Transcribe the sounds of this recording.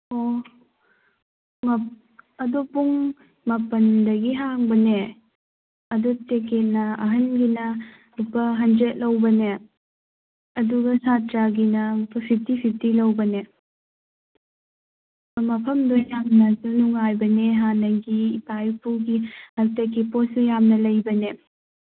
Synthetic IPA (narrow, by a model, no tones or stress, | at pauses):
o | ŋɐp̚ | ɐdopuŋ | mɐpɐndɐɡiɦaŋbɐne | ɐduteket̚nɐɐɦɐnɡinɐ | upɐɦɐnd͡ʒet̚lɐwbɐne | ɐduɡɐsatɾaɡinɐupʰɐpʰip̚tipʰip̚tilɐwbɐne | mɐpʰɐmdojamnɐsunuŋajbɐneɦanɐɡiːpajpʰuɡihɐɾtekːiposujamnɐlɐjbɐne